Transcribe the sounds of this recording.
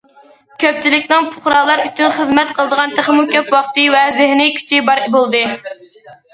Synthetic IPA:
kʲʰøp̚t͡ʃʰilɪkʲnɪŋpʰʊ̥χɾɑːlˠɑɾyt͡ʃ̪ynχəzmɛt̪qʰəlˠəd̪əʁɑnt̪ʰeχmukʲʰøpwɑχt̪ɨvɛzɪhnɨkʲʰy̥t͡ʃʰibɑɾbolˠd̪ɨ

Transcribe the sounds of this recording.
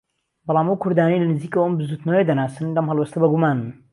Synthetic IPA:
bɑlˠaːmɐwkʰʊɾd̪aːnejlɐnɨziːkɐwəmbɨzuːt̪nɐwejd̪ɐnaːsɨnlɐmɦɐlˠwɛst̪ʰɐbɐɡumaːnɨn

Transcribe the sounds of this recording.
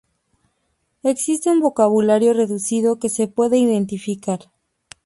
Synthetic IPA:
e̞ksist̪e̞umbo̞kaβulaɾjo̞re̞ðusiðo̞ke̞se̞pwe̞ðe̞iðe̞nt̪ifikaɾ

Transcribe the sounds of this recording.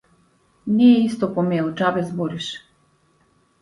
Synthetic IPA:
nijɛist̪ɔpɔmɛɛut͡ʃabɛzbuɾiʃ

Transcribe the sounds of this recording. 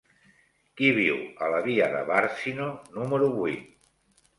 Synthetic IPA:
kiβiwələβiəðə̰βaɾsinonuməɾuβwuit̪̚

